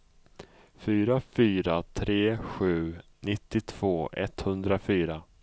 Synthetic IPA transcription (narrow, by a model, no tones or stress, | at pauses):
fyːɾafyːɾat̪ʰɾeːɧʉ̟ːnɪt̪ːɪt̪ʰv̥oːʔɛ̰t̪hɵnd̪ɾafyːɾa